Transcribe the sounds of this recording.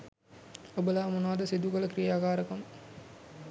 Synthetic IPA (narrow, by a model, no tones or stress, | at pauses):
obəlaːmunaːd̪ɐsid̪ukɐlɐkɾijaːkaːɾɐkɐm